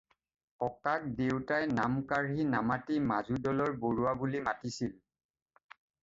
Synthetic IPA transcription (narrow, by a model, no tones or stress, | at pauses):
ɔkak̚dewtajnamkaɹɦinamatimazudɔlɔɹboɹuabulimatisil